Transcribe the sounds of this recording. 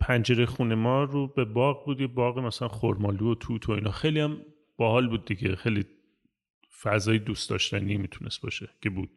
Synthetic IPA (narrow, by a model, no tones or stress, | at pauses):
pʰænd͡ʒe̞ɾexunemɒːɾube̞bɒːɣbuːd̪jebɒːɣemæsælænxoɾmɒːluot̪ʰuːt̪ʰo̞inɒːxejliæm | b̥ɒhɒːlbuːd̪̚ːiɡḛxejli | fæzɒːjed̪uːst̪ɒ̰ːʃt̪ʰænimiːt̪ʰunʔe̞st̪̚bɒ̰ːʃe̞cʰe̞buːd̪̥